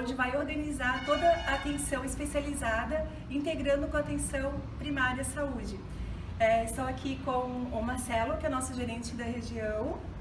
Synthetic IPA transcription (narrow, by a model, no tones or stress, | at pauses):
õd͡ʒɪvajoɾɡɐnizaɾt̪od̪ɐat̪ẽsɐ̃w̃ispesializad̪ɐ | ĩnt̪eɡɾɐ̃nd̪ʊkõat̪ẽsɐ̃w̃pɾimaɾiɐsaud͡ʒɪ | ɛist̪ɐ̃w̃akʰikõw̃ʊmaɾsɛlʊkɪɛɛnɔsʊʒeɾẽnt͡ʃɪd̪ɐɦeʒiɐ̃w̃